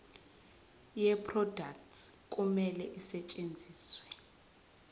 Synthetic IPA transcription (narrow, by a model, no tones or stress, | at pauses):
jɛpʰrɔdakt | kʼumɛlɛʔisɛt͡ʃʼend͡zʱiːswɛ